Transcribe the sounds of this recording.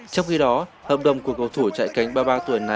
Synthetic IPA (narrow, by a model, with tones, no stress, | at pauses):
t͡ɕɔ˧wŋ͡mxi˧ɗɔ˨˦hə̰ː˧˨˩p̚ɗə̰˨˩wŋ͡mku˧˩əkːə˨˩wt̪ʰu˧˩t͡ɕa̰ː˧˨jka˨˦jŋ̟ɓaː˧ɓaː˧t̪u˨˩əjna˨˩